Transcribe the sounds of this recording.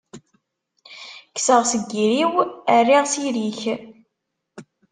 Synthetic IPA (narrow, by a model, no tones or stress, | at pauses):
ksəʁsəɡːiɾiwərːiʁsiɾiç